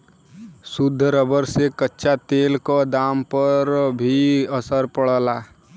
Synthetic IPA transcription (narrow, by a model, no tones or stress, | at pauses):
sʊd̪ʱːɾəbəɾsekətːʃat̪eːlkod̪aːmpəɾbʱiəsəɾpəɽəlaː